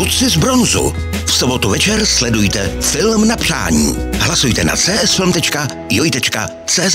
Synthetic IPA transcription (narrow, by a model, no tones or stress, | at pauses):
ut͡sɪzbɾonzṵ | fsobo̞t̪uvɛt͡ʃɛɾslɛdujt̪ɛfɪlmnapr̝̥a̰ːɲḭːɦlasujt̪ɛna̰t͡sɛːʔɛsfɛlmt̪ɛt͡ʃka | jojt̪ɛt͡ʃka̰ | t͡sɛːz